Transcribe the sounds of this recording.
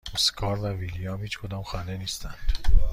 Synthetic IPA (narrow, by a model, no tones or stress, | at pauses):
oskʰɒːɾvævilijɑːmhiːt͡ʃkʰod̪ɒːmxænd̪eniːst̪ænd̪̥